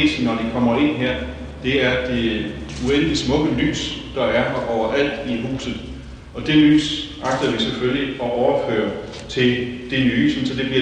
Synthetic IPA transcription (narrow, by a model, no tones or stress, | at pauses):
s̩nːɒd̥ikʰɒ̽m̰ɐe̝n̰ɦeɐ̰ | d̥e̝æɐd̥e̝ | uen̰lismɔ̽ɡ̥əly̰ːsd̥ɑ̈æɐɒʊɐʔæl̰d̥iɦṵːsð̩ˠ | ɒ̽d̥e̝ly̰ːs | ɑ̈ɡ̥̚d̥ɐʋiseføljiɒ̽ʔɒʊɐfø̰ːɐ | t͡sʰe̝ld̥e̝nyːy̰ːsn̩sɒ̽d̥e̝b̥liɐ